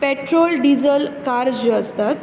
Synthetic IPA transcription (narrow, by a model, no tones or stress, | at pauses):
peʈɾolɖid͡zəlkaɾd͡ʑd͡ʑeəst̪at̪